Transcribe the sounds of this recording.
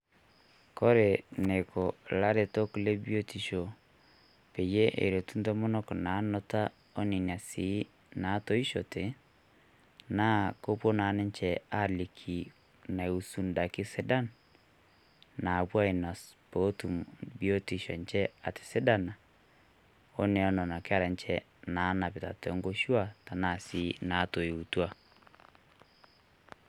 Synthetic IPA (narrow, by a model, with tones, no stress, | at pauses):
kɔ˦ɾe˨ne˨ko˨la˦ɾe˨to˦kle˦bjo˦ti˨ʃo˨ | pe˨je˦ʔḛ˨ɾe˨tu˦nto˦mɔ˦nɔ˦kna˨˦nɔ˦ta˦ | o˦ni˨n˨a˨si˨˦ | na˨˦to˦i˦ʃo̰˨te˨ | na˦ko˦po˦na˨nɪ˦ɲt͡ʃɛ˨a˦˨li˨kʰi˨ | na˨u˨su˦nda˨kɪ˦sɛ˦da˦n | na˨pwa˦i˨na˨spo˦tu˨mbi˦o˦ti˨ʃɔ˨nt͡ʃɛ˦a˨tɪ̥˨sɪ˦da˦na˨ | o˦nɛ˨ɔ˦nɔ˨na˨kɪ˦a˦ɾa˨nt͡ʃɛ˦ | na˨˦na˨pɪ˨ta˨tɛ˨˦ŋɡo˦ʃu˦a˨ta˨na˦˨si˨˦na˨˦to˨i˨u˨twa˦